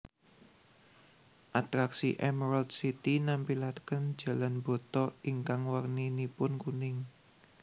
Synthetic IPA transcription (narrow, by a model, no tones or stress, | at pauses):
ʔat̪ɾaksḭʔɛmɾald̪sit̪inampilat̪kən̥d͡ʒ̥ä̤lanbɔ̤t̪ɔiŋkaŋwarninipʊnkunɪŋ